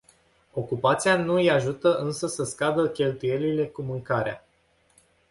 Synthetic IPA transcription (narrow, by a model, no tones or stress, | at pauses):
o̞kupat̪sijanujaʒut̪əʔɨnsəsəskad̪əkʲe̞lt̪uje̞lile̞kumɨŋkaɾea̰